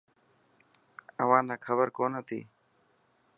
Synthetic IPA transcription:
əʋãːnaːkʰəβəɾkoːnət̪ʰḭː

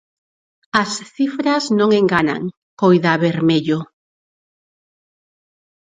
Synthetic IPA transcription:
ɐsθifɾaznõŋeŋɡana̰ŋ | kojðaβeɾmeʎo

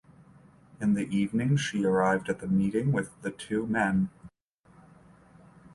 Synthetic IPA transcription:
ɨ̃nðiʔivnɪ̃ŋʃiə˞aɪvdɨt̪̚ðɨmiɾɪ̃ŋwɪðɨtʰʉmɛ̃n

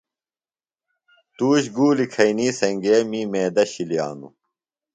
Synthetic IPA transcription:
t̪uːɕɡuːlikʰɐiniːsɐŋɡemimeːd̪ɐɕilija̰ːnṵ

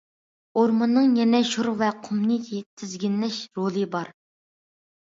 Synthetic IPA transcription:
oɾmɨnːɨŋjɛnɛʃuɾvɛqʰomnit̪ʲʰit̪ʰɪzɡʲinlɛʃɾolˠɨbɑɾ

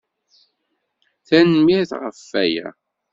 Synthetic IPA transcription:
θænmiɾθʁə̰fːæjæ̰

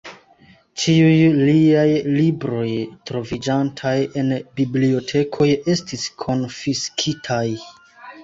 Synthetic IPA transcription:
t͡ʃiujliajlibɾo̞jtɾo̞vid͡ʒantʰaje̞nbiblio̞tʰe̞kʰo̞je̞stiskʰo̞nfiskʰitʰaj

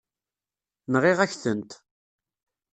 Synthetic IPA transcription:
nʁɪʁæçθənt̪

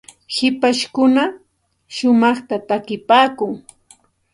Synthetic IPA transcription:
hɪpaʃkʊna | ʃʊmɑχt̪at̪akɪpaːkʊŋ

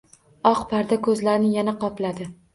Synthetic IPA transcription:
ɒqpʰaɾd̪akʰɵzlaɾnɪjanaqʰɒplad̪ɪ

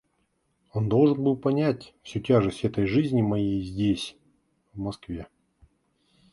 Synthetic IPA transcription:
o̞nd̪o̞lˠʐɨnbɨlˠpɐnʲætʲfsʲutʲaʐɨsʲtʲɛt̪əjʐɨzʲnʲɪmɐjejzʲdʲesʲ | vmɐskvʲe̞

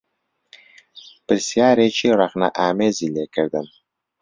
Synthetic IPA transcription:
pɨɾsijaːɾet͡ʃʰiɾɑχna̰ʔaːmezileːkəɾd̪ɨm

